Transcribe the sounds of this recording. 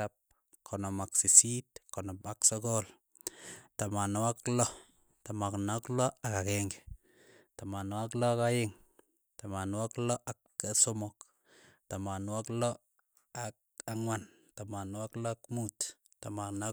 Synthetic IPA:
ap̚ | kʰɔnɔmaksisitkɔnɔmaksɔkɔl | tamanwaklɔ | tamaknaklɔakakɛŋɡɛ̥ | tamanwak̬lɔakajɪŋ | tamanwaklɔʔak | asomɔk | tamanwaklɔ | ak̚ | aŋwan | tamanwaklɔakmut | taman

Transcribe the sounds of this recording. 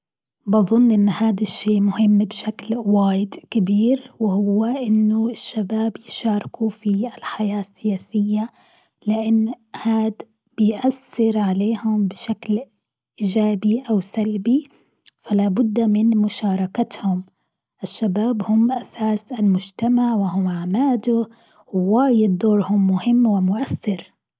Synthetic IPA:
bɑðˤʊnːʔɪnːhaːd̪aʃːeːʔmʊhɪmːbʃaklwaːjɪd̪kɪbiːɾwɪhʊwːaʔɪnːʊɪʃːabaːbjɪʃɑːɾˤɪkufiɪlħajaːsːɪjaːsɪjːa | lɪʔanː | haːd̪ | b̥ɪjʔaθːɪɾʕaleːhʊmbɪʃakl | ʔiːd͡ʒaːbiʔawsalbi | falaːbʊd̪ːmɪnmʊʃɑːɾˤɑkat̪hʊm | ʔɪʃːabaːbhʊmːʔasaːsɪlmʊd͡ʒt̪amaʕwɪhʊmʕaʕmaːd̪ʊ | wwaːjɪd̪d̪oːɾhʊmːʊhɪmːwɪmʊʔaθːɪɾ

